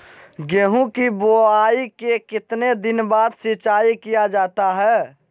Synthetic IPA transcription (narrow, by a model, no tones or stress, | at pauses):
ɡeɦũkiboaikekɪt̪ned̪ɪnbaːd̪sɪt͡ʃaːikijad͡ʒaːt̪aɦɛː